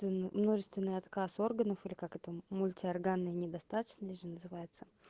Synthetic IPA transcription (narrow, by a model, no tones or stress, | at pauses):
vʲɪnmno̞ʐɨst̪vʲɪnːɨjɐt̪kaso̞rɡənəfɨlʲɪkakɛt̪əmʊlʲtʲɪɐrɡanːɨjənʲɪd̪ɐst̪at̪ə̥t͡ɕnəʐɨnəzɨvajɪt̪sə̥